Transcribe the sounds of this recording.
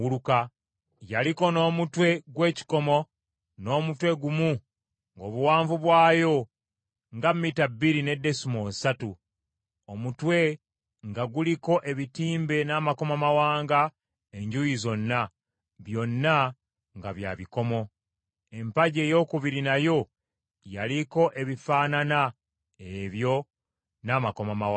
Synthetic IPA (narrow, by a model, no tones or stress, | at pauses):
uluka | jaliko̞no̞ːmutwe̞ɡwe̞ːci̥ko̞mo̞ | no̞ːmutwe̞ɡumu | ŋɡo̞ːβuwaːɱvuβwaːjo̞ | ŋɡamitabːiɾine̞dːe̞sumosatu | omutwe̞ | ŋɡaɡuliko̞ʔe̞βitiːmbe̞naːmako̞mamawaːŋɡa | e̞ɲɟujizo̞nːa | βjo̞nːa | ŋɡa̰βja̰βiko̞mo̞ | e̞mpaɟe̞ːjo̞ːkuβiɾinajo̞ | jaliko̞ʔe̞βifaːnana | eβjo̞ | naːmako̞mamawa